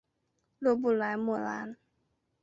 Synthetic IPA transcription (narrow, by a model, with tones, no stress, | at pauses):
lo˧˨bu˨la˨˦jmo˨la̰˨˦n